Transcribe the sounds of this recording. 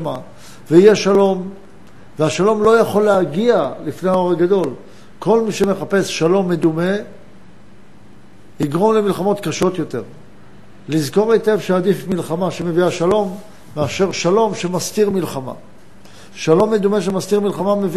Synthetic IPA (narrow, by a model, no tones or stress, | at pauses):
ma | veijeʃalo̞m | veaʃalo̞mlo̞jaχo̞lehaɡialifne̞jao̞ʁaɡad̪o̞l | ko̞lmiʃeme̞χape̞sʃalo̞mːe̞d̪ume̞ | iɡʁo̞mle̞milχamo̞t̪kaʃo̞t̪jo̞t̪e̞ʁ | lizko̞ʁetevʃead̪ifmilχamaʃeme̞viaʃalo̞mː | eaʃe̞ʁʃalo̞mʃemastiʁmilχama̰ | ʃalo̞mːe̞d̪ume̞ʃ̬emast̪iʁmilχamamev